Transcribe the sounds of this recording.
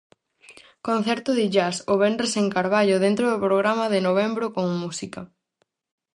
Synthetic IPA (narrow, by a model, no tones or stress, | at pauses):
kon̟θɛɾt̪ʊðɪʝasoβɛndɾeseŋkaɾβaʎʊðent̪ɾoðʊpɾoɣɾamɐðɪnoβ̞ɛmbɾʊkoŋmusikɐ